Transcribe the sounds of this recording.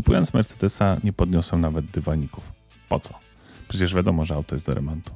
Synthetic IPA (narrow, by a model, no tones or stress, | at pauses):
kupujɔnsmɛɾt̪sɛd̪ɛsaɲɛpɔd̪ɲɔsɛw̃navɛd̪d̪ɘvaɲikuf | pɔt̪sɔ | pʂɛt͡ɕɛʐvʲjad̪ɔmɔʐɛawt̪ɔjɛst̪d̪ɔɾɛ̰mɔnt̪u̥